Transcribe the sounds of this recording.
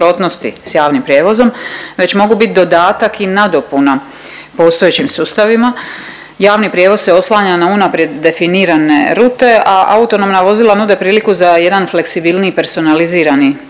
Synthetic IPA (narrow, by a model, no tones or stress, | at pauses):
ɾo̞ːt̪no̞st̪ḭsjaːʋnimpɾʲje̞ːʋo̞zo̞mʋe̞t͡ɕmo̞ɡubit̪d̪o̞d̪aːt̪akinad̪o̞puna | po̞st̪o̞et͡ɕimsuːst̪aʋima | jaːʋnipɾje̞ʋo̞sse̞o̞slˠaːɲanaunapɾje̞d̪ːe̞finiːɾanḛɾut̪e̞ʔaʔa̰ut̪o̞no̞mnaʋo̞zilˠanud̪e̞pɾiːlikuzaje̞d̪anfle̞ksibilˠnipe̞ɾso̞naliziːɾani